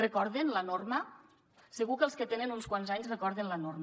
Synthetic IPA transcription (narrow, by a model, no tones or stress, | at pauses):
rəkɔɾðenlənormə | səɣukəlˠskət̪enənunskwanzaɲsrəkɔɾðenlənorm